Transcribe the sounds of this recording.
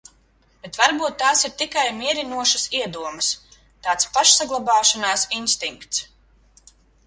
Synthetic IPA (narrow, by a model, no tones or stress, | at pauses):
b̥et̪vaɾbuːt̪ːaːsiɾt̪ikajmiɛɾinuɔʃɐsiɛd̪uɔmɐs | t̪aːt̪spaʃsaɡlˠabaːʃanaːsinst̪iŋkt̪s